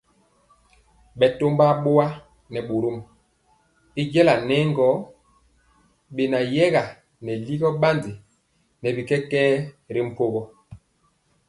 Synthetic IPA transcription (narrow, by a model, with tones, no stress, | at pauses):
ɓɛ˨to˦mba˦ɓo˦wa˦ | nɛ˨ɓo˨ɾo˦m˨ | i˦d͡ʒɛ˦la˨nɛ˦ŋɡɔ˨˦ | ɓe˨na˨jɛ˦ɣa˨ | nɛ˨li˦ɡɔ˦ɓa˦ndi˨ | nɛ˨bi˨kɛ˦kɛː˦ | ɾi˦m̩˦˨po˦ɣɔ˦